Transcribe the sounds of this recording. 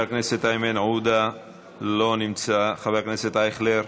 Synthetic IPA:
ekneset̪ajmenʕud̪a | lo̞nimt͡saχaveʁkneset̪ajχleɾ

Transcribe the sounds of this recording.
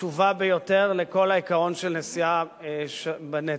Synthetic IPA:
uvabejo̞teʁleko̞laikaʁo̞nʃelnesia | ʃbane

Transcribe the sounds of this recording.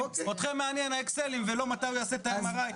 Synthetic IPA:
ot̪χemːeanjenaekselimvelo̞mat̪ajujaset̪ajmaʁaj

